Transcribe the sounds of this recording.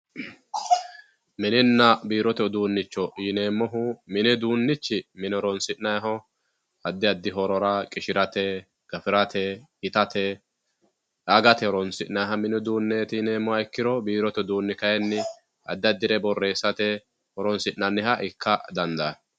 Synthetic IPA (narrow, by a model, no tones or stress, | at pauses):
mɪnɪnːɐbiːɾɔt̪ɛd̪uːnːɪt͡ʃːɔʔiːneːmːɔɦʊmɪnɛd̪uːnːɪt͡ʃːɪmɪnɛɾɔnsɪʔnɐjɦɔ | ɐd̪ːɪɐd̪ːɪɦɔɾɔɾɐkʼɪʃɪɾɐt̪ɛ | ɡ̥ɐfɪɾɐt̪ʰɛhɪt̪ɐt̪ɛ | ɐɡɐt̪ɛhɔɾɔnsɪʔnɐjɦɐmɪnɛd̪uːnːeːt̪ɪneːmːɔɐjkːɪɾɔbiːɾɔt̪ɛd̪uːnːɪkɐjɛnːɪ | ɐ̰d̪ːɪɐd̪ːɪɾɛbɔrːe̞ːsːɐt̪ɛ | hɔɾɔnsɪʔnːɐnːɪhɐʔɪkʰːɐd̪ɐnd̪ɐ